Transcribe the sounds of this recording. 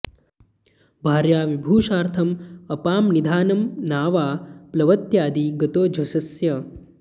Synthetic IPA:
bʱaːɾjaːʋibʱuːʃaːɾt̪ʰɐmɐpaːmnid̪ʱaːnɐmnaːʋaːplɐʋɐt̪jaːd̪iːɡɐt̪oːd͡ʒʱɐsɐsjɐ

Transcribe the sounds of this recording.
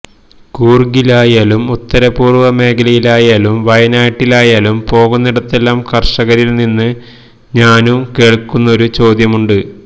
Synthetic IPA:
kuːrɡilaːjaːlumut̪ːɐɾɐpuːrʋɐme̞ːkʰɐlɐjilaːjaːlumʋɐjɐnaːʈːilaːjaːlumpo̞ːɣunːiɽɐt̪ːe̞lːaːmkɐrʂɐɣɐɾilninːɨ | ɲaːnumke̞ːɭkːunːɐo̞ɾut͡ɕo̞ːd̪jɐmuɳɖɨ

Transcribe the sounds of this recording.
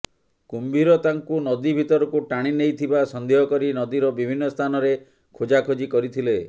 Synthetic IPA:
kumbʱiɾɔt̪aŋkunɔd̪ibʱit̪ɔɾɔkuʈaɽ̃inejt̪ʰibasɔnd̪ʱeɦɔkɔɾinɔd̪iɾɔbibʱinːɔst̪ʰanɔɾe | kʰod͡ʒakʰod͡ʒikɔɾit̪ʰile

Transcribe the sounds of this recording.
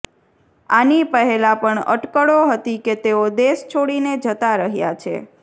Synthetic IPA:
anipəɦelapəɳə̰ʈkəɽoɦət̪iket̪eod̪est͡ʃʰoɽined͡ʒət̪aɾəɦja̰t͡ʃʰḛ

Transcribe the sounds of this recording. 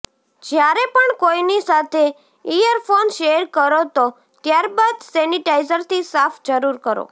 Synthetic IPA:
d͡ʒjaɾepəɳkoinisat̪ʰe | ijəɾfonʃeɾkəɾot̪o | t̪jaɾbad̪sɛniʈaizəɾt̪ʰisafʰd͡ʒəɾuɾkəɾo̰

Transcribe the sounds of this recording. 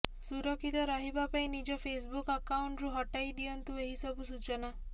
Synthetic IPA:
suɾɔkʰit̪ɔɾɔɦibapaĩnid͡ʒɔpʰesbukakawɳʈɾuɦɔʈajd̪iɔnt̪ueɦisɔbusut͡ʃɔna

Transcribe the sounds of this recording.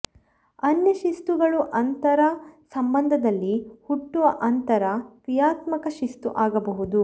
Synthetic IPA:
ɐnjɐʃist̪uɡɐɭuʔɐnt̪ɐɾɐsɐmbɐnd̪ʱɐd̪ɐlːihuʈːuʋɐʔɐnt̪ɐɾɐkɾijaːt̪mɐkɐʃist̪uʔaːɡɐbɐɦud̪u

